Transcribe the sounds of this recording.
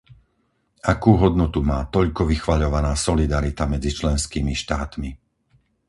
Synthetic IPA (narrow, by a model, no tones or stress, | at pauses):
akuːɦɔd̪nɔt̪umaːt̪ɔʎkɔʋixʋaʎɔʋanaːsɔlid̪aɾit̪amɛd͡zit͡ʃlɛnskiːmiʃt̪aːt̪mi